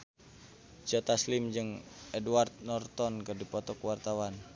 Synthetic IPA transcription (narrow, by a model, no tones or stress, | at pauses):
d͡ʒɔt̪aslimd͡ʒɨŋɛduart̪̚nɔrt̪ɔnkɨrdipɔt̪ɔkuwart̪awan